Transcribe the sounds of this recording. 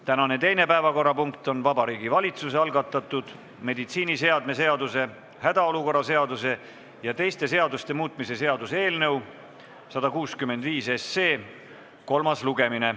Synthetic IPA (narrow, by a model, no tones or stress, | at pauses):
t̪ænɑne̞t̪e̞jne̞pæevɑko̞rːɑpuŋkt̪o̞nvɑbɑɾiːɡivɑlʲit̪suse̞ɑlɡɑt̪ːˑɑt̪ˑːud̪̥ | me̞d̪it̪siːnise̞ɑd̪mes̬e̞ɑd̪use̞ | hæd̪̥ɑo̞luko̞rːɑse̞ɑd̪use̞ | jɑt̪e̞jst̪e̞se̞ɑd̪ust̪e̞muːt̪ˑmise̞se̞ɑd̪useeːlnɤw | sɑd̪̥ɑkuːskymːend̪viːse̞sːe̞ː | ko̞lmɑsluɡe̞mine̞